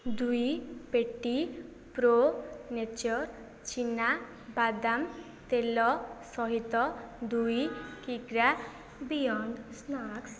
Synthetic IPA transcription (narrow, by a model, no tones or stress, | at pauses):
d̪ujpeʈːi | pɾonet͡ʃɔɾ | t͡ʃina | bad̪am | t̪elɔsɔɦit̪ɔd̪ujkiɡɾa | bijɔnd̪snaks